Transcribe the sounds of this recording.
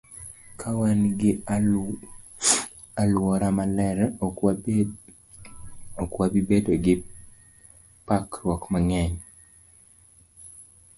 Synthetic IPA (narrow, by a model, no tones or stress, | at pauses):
kʰawanɡɪ | alɔɾamalɛɾ | ɔkwabibedoɡɪ | pakrwɔkmaŋɛɲ